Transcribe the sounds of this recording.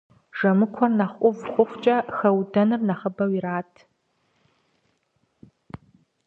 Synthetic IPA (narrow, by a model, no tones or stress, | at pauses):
ʒ̥ɐmɨkʷʰɔrnɐχʷʼʊvχʷʼʊχʷt͡ʃʼɐxɐwdɐnɨrnɐχɐbɐwiɾaːtʰ